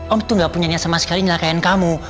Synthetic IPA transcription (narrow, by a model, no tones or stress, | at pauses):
ʔɔmt̪uŋɡaʔpuɲaɲasamasə̥kaliɲəlakajankamu